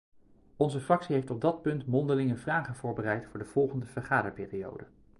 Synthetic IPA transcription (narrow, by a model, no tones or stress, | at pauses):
ɔnzəfrɑksiɦejftɔb̚dɑt̚pɵntmɔndəlɪŋəvraːχənvʊːɹbərɛjtfʊːɹdəv̥ɔlˠχəndəvəɹχaːdəɹpɪːrijo̰wdə